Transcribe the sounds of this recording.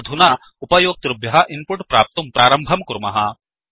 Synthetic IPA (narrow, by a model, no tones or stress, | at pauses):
d̪ʱuna | upɐjoːk̚t̪ɾubjɐɦɐʔimpuʈpɾaːp̚t̪umpɾaːɾɐmbʱɐmkɾumɐɦɐ